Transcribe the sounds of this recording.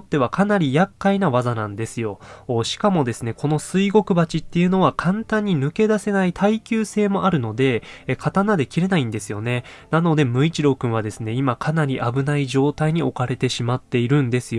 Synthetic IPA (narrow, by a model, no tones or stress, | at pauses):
ot̪ːe̞β̞akʰanaɾʲijakːainaβazanãnd̪e̞sɨjo̞ɕi̥kamo̞d̪e̞sɨne̞kʰo̞no̞sɨiɡo̞kɯ̟bat͡ɕit̪ːe̞jɯ̟no̞β̞akʰãnt̪ãɲ̟ːinɯ̟ke̞d̪ase̞nait̪ʰaikʲɨːse̞ːmo̞ʔaɾɯ̟no̞d̪e̞kʰat̪anad̪e̞kʲiɾe̞naĩnd̪e̞sɨjo̞ne̞nano̞d̪e̞mɯ̟it͡ɕiɾo̞ːkɯ̟̃ɰ̃β̞ad̪e̞sɨne̞imakʰanaɾʲiʔabɯ̟naiʑo̞ːt̪aiɲ̟io̞kaɾe̞t̪e̞ɕimat̪ːe̞iɾɯ̟̃nd̪e̞sɨjo